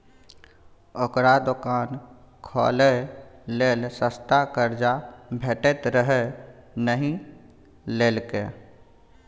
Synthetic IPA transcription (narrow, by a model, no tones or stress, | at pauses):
okɾad̪ʊkaːn | kʰɔ̰ːleleːlsəst̪akəɾd͡ʒabʱeːʈet̪ɾəɦenəɦĩ | leːlke